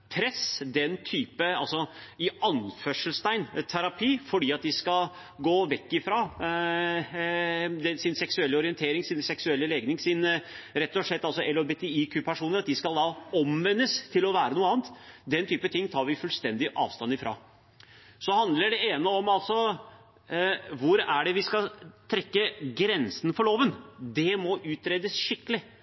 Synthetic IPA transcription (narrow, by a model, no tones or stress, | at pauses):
pʰɾɛsd̪ɛnt̪ʰyːpəɑ̰lsɔɪɑnfœʂəlst̪æɪnt̪ʰæɾɑpʰiːfɔɖiːɑt̪̚d̪ɪskɑl | ɡoːʋɛkːɪfɾɑ | d̪ɛsɪnsɛksʉɛlːəɔɾɪɛnt̪ʰeːɾɪŋsɪnsɛksʉɛlːəleːɡnɪŋsɪnɾɛt̪ːɔʂɭɛt̪ːɑlsɔʔɛlobet̪ʰɛiːkʰʉːpʰæʂuːnəɾɑt̪̚d̪ɪskɑld̪ɑɔmʋɛnːəst̪ʰɪlɔʋæːɾənuːəɑːənt̪d̪ɛnt̪ʰyːpət̪ʰɪŋːt̪ʰɑːɾʋɪfʉlst̪ɛnd̪ɪʔɑ̰ːʋst̪ɑnɪfɾɑ̰ | sɔhɑnd̪ləɖɛeːnəɔmɑlsɔ | ʋʊɾæɖɛʋɪskɑlt̪ʰɾɛkːəɡɾɛnsənfɔɭoːʋənd̪ɛmɔʔʉːt̪ʰɾeːd̪əsʂɪkːəlɪ